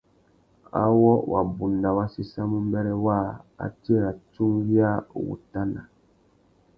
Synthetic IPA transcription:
a̰˦wɔ˦wʔa̰˨bu˨nda˨wa˦si˦sa˦mu˦mbɛ˦ɾɛ˦waː˦˨a̰˨ti˦e˦ɾa˨tu˦ŋvi˦a˦wṵ˨ta˦na̰˨

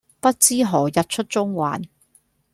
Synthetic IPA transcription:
pɐ˥t̚t͡siː˥ɦɔː˨˩jɐ˨t̚t͡ʃʰɵ˥t̚t͡sʊ˥ŋwa̰ː˨n

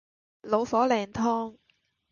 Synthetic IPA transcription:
lo˨˧wfɔː˨˥lɛː˨ŋt̪ʰɔː˥ŋ

